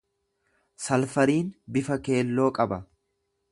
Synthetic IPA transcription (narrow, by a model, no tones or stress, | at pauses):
sɐlfɐɾiːnbɪfɐke̞ːlːo̞ːkʼɐbɐ